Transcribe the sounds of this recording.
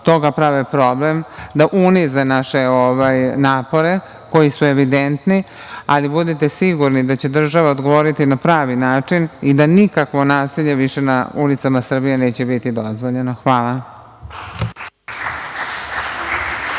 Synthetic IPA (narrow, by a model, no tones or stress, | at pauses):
t̪o̞ɡapɾaʋepɾo̞blemd̪aʔunizanaʃe̞oʋajnaːpo̞ɾe̞ | ko̞jisue̞ʋid̪ent̪ni | a̰libud̪it̪e̞siɡuɾnid̪at͡ɕe̞d̪r̩ʒaʋaod̪ɡo̞ʋoːɾit̪inapɾaːʋinaːt͡ʂinid̪anikakʋo̞naːsiʎe̞ʋiʃe̞na̰ulit̪samasr̩bije̞ne̞ːt͡ɕe̞bit̪id̪o̞zʋoʎe̞noxʋaːla